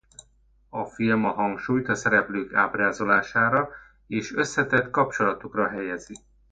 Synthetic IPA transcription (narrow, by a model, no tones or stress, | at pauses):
ɒfilmɒɦɒŋkʃuːjt̪ɒsɛɾɛpløːkaːbraːzo̞laːʃaːɾɒ | eːʃø̞sːɛt̪ɛt̪kɒp̚t͡ʃo̞lɒt̪ukrɒɦɛjɛzi